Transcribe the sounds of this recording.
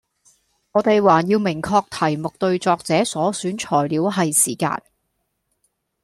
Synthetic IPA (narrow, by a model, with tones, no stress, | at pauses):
ŋɔː˨˧t̪e˨jwaː˨˩jiː˧wmɪ˨˩ŋkʰɔː˧k̚t̪ʰɐ˨˩jmʊ˨k̚t̪ɵ˧ɥt͡sɔː˧k̚t͡sɛː˨˥sɔː˨˥syː˨˥nt͡ʃʰɔː˨˩jliː˨˧˥wɦɐ˨jsiː˨˩ka̰ː˧n